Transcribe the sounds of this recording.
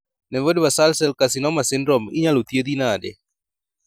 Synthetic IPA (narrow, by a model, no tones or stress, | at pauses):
nɛvodbasalsɛlkasɪnɔmasɪndɾɔmɪ̰ɲalot̪jed̪inadɛ